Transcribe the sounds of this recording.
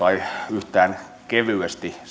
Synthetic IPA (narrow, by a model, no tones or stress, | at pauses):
ɑiyht̪æːn | keʋyest̪i